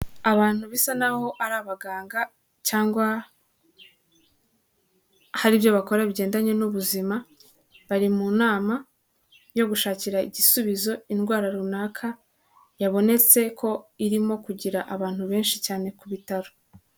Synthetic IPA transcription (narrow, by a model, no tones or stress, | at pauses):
aβaːn̥huβisanaho̞ʔaɾaːβaɡaːŋɡa | caːŋɡwa | haɾibjo̞βako̞ɾaβiɟe̞ːndaɲe̞nuβuzima | βaɾimunaːma | jo̞ɡuʃaːciɾaiɟisuβizo̞inɡwaːɾaɾunaːkʰa | jaβo̞ne̞t͡se̞kʰo̞iɾimo̞kuɟiɾaʔaβaːn̥huβe̞ːnʃicaːne̞kuβitaɾo